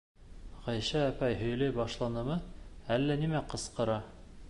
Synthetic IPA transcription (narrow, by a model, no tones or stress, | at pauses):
ʁɒjɕæːpæjɦɵ̆j̆lɘjbɑʃlˠɑnɤ̆mɤælːænimæqɤ̆sqɤ̆ɾɑ